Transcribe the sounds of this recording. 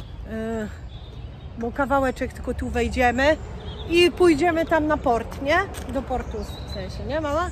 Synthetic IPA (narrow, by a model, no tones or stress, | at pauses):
bɔkavawɛt͡ʂɛk̚t̪ɘ̥kɔt̪uvɛjd͡ʑɛmɘ | ipujd͡ʑɛmɘt̪amnapɔɾt̪ɲɛd̪ɔpɔɾt̪usɛ̃ɕɛɲɛmawa